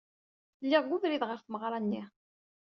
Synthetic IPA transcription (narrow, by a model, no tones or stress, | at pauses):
lːiʁɡuðɾiðʁəɾθməʁɾˤɑnːi